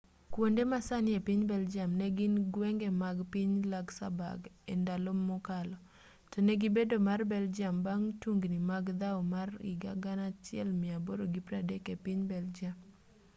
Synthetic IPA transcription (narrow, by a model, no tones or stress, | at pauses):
kwondemasanɪepiɲbɛld͡ʒamnɛɡɪnɡwɛŋɡɛmaɡpiɲlaɡsa̰ba̰ɡendalomːɔkalɔ | tɔnɛɡibedomarbɛld͡ʒambaŋtuŋɡnimaɡd̪aomarɪ̰ɡaɡanat͡ʃɪɛ̰lmɪaboɾoɡipɾadɛkepɪɲbɛld͡ʒam